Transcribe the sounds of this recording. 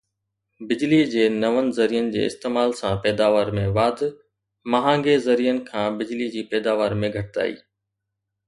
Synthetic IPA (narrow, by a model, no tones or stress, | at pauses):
bɪd͡ʑlid͡ʑeːnɐʋənɪ̆zɐɾijənɪ̆d͡ʑḛːɪ̰st̪eːmaːlsãpɛːd̪aːʋaːɾmẽʋaːd̪ʱ | mɐɦãːŋɡezɐɾijənɪ̆kʰãːbɪd͡ʑlid͡ʑiːpɛːd̪aːʋaːɾmẽɡʱɐʈɪt̪a̰ːḭː